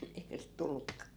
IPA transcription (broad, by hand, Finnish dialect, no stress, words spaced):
eihæ sit tulːukːɑ